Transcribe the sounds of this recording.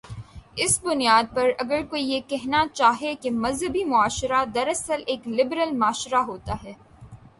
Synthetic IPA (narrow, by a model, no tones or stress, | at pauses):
ɪsbʊnijaːd̪̚pɐɾɐɡəɾkoːijekɛɦnat͡ʃaːɦekemɐzɦəbimʊaːʃɾad̪ɐɾɐsəleːklɪbɾəlmaːʃɾaɦoːt̪aɦɛː